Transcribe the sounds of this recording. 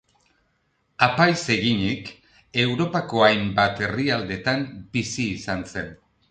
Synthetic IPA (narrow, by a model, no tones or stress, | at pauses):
apajse̞ɣiɲik | e̞wɾo̞pako̞ajmbat̪e̞riald̪e̞t̪ambisiːsanse̞n